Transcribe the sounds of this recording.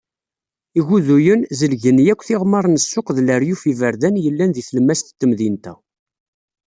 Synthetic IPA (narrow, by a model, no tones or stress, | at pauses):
iʝuðujənzəlʝənjækʷːθɪʁmɑɾˤnəsːʊqðləɾjufivəɾðænjəlːænðiθləmːæst̪t̪ːəmðint̪æ